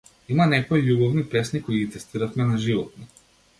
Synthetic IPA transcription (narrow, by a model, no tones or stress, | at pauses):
imanɛkɔijubɔvnipɛsnikɔiit̪ɛst̪iɾafmɛnaʒivɔt̪̚nɔ